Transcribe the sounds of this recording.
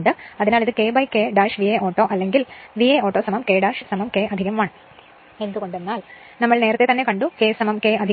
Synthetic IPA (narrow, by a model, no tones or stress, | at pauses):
ɳɖɨɐðinaːliðɨkeːbɐjkeːɖaːʂʋieːoːʈːoːʔɐlːe̞ŋɡilʋieːoːʈːoːsɐmɐmkeːɖaːʂsɐmɐmkeːɐd̪ʱiɣɐmʋaːɳ | e̞nd̪uko̞ɳɖenːaːl | nɐmːɐɭne̞ːɾɐt̪ːet̪ɐnːekɐɳɖukeːsɐmɐmkeːɐd̪ʱi